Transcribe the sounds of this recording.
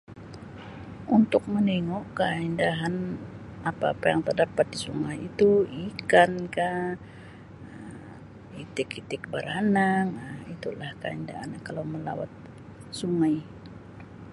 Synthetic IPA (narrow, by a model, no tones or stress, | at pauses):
unt̪ʊk̚məniŋokaindaɦanapaːpajaŋt̪ərdapat̪̚disuŋajit̪uikanka | əm | it̪ɪkit̪ɪk̚bəɾanaŋəmit̪ulahkainda̰ɦa̰nkalawməla̰wa̰t̪̚ | suŋaj